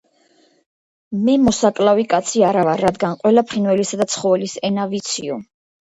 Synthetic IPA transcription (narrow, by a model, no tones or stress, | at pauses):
mɛmɔsakʼlˠavikʼat̪sʰiaɾavaɾad̪ɡanqʼwɛlapʰχinwɛlisad̪at̪sʰχɔvɛlisɛnavit̪sʰiɔ